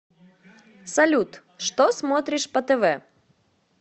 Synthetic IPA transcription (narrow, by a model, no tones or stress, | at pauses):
sɐlʲut̪ | ʂt̪osmot̪ɾʲɪʂpɐt̪ɛvɛ